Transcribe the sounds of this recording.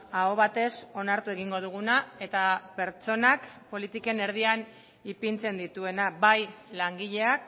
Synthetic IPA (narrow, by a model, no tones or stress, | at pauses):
aoβ̞at̪e̞so̞naɾt̪ue̞ɣiŋɡo̞ð̞uɣ̞unae̞t̪ape̞ɾt͡ʃo̞nakpo̞lit̪ike̞ne̞ɾð̞ian | ipint͡se̞nd̪it̪ue̞nabajlaŋɡiʎe̞ak̚